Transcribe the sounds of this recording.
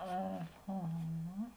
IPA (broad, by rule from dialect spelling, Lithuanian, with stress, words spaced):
ɐˈɣɐ